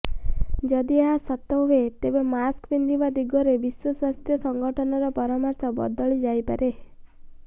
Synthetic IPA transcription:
d͡ʒɔd̪iaɦasɔt̪ːɔɦuɦet̪ebemaskbind̪ibad̪iɡɔɾebiswɔswast̪ʰjɔsɔŋɡɔʈʰɔnɔɾɔpɔɾɔmɔɾsɔbɔ̰d̪ɔɭid͡ʒajpa̰ɾe

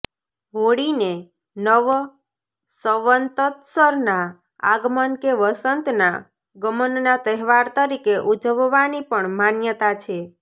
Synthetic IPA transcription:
ɦoɽine | nəʋ | səʋənt̪ət̪səɾna | a̰ɡmənkeʋəsənt̪na | ɡəmənnat̪əɦʋaɾt̪əɾikeʔud͡ʒəʋʋanipəɳmanjət̪at͡ʃʰe

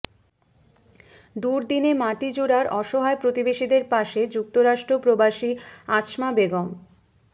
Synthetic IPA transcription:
d̪uɾd̪inemaʈid͡ʑuɾaɾɔʃoɦaepɾot̪ibeʃid̪eɾpaʃed͡ʑuk̚t̪oɾaʃʈɾopɾobaʃiaʃmabeɡom

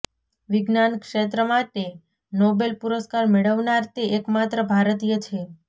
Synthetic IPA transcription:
ʋɪɡnankʂet̪̬ɾəmaʈe | nɔbelpuɾəskaɾmeɭəʋnaɾt̪eʔekmat̪ɾəbʱaɾət̪ijət͡ʃʰe

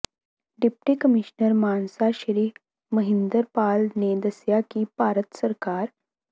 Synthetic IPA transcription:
ɖip̚ʈikəmiɕnəɾmansaɕəɾiː | məɦind̪əɾpalned̪əsjakiːpaɾət̪səɾkaɾ

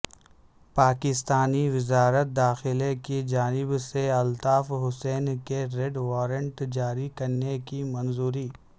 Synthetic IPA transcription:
paːkɪst̪aːniʋɪzaːɾət̪̚d̪aːxɪlekid͡ʒaːnɪbseɐlt̪aːfɦʊsɛːnkeɾeɖʋaːɾə̃ɳʈd͡ʒaːɾikɐɾnekimɐnzuːɾiː

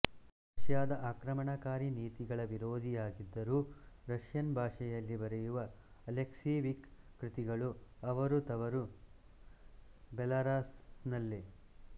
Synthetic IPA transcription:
ɾɐʃjaːd̪ɐʔaːkɾɐmɐɳɐkaːɾiniːt̪iɡɐɭɐʋiɾoːd̪ʱijaːɡid̪ːɐɾuːɾɐʃjɐnbʱaːʂɛjɐlːibɐɾɛjuʋɐː | leksiːʋikː | ɾit̪iɡɐɭuɐʋɐɾut̪ɐʋɐɾu | bɛlaɾaːsnɐlːi

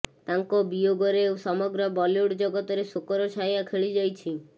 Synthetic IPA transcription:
t̪aŋkɔbijoɡɔɾeːwsɔmɔɡɾɔbɔloɽd͡ʒɔɡɔt̪ɔɾesokɔɾɔt͡ʃʰajakʰeɭid͡ʒajt͡ʃʰi

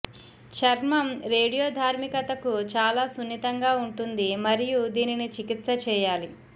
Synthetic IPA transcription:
t͡ʃɐɾmɐmɾe̞ːɽijoːd̪ʱaːɾmikɐt̪ɐkut͡ʃaːlaːsunːit̪ɐŋɡaːuɳʈund̪imɐɾijud̪iːninit͡ʃikit̪sɐt͡ʃɛːjaːli

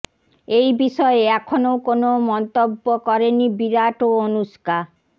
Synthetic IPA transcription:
ejbiʃɔeɛkʰonowkonomɔnt̪obːokɔɾenibiɾaʈoonuʃka

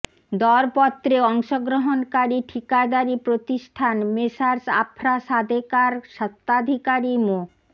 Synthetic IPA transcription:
d̪ɔɾpɔt̪ːɾeɔŋʃoɡɾoɦonkaɾiʈʰikad̪aɾipɾot̪iʃʈʰanmeʃaɾsa̰pʰɾaʃad̪ʱekaɾʃat̪ːad̪ʱikaɾimo

